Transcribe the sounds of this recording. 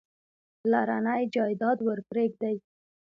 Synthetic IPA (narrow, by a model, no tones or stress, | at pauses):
laɾanajd͡ʒɑjd̪ɑd̪wəɾpɾek̚d̪aj